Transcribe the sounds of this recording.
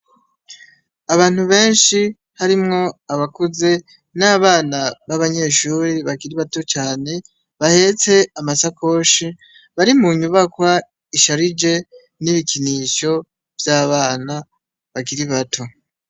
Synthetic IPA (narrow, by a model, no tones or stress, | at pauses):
aβaːn̥huβe̞ːnʃi | haɾimŋo̞aβakuze̞ | naːβaːnaβaβaɲe̞ːʃuːɾiβaɡiɾiβato̞t͡ʃaːne̞ | βahe̞ːt͡se̞amasako̞ʃi | βaɾimuɲuβakwa | iʃaɾid͡ʒe̞ | niβikʰiniːʃo̞ | v̥jaːβaːna | βaɡiɾiβatʰo̞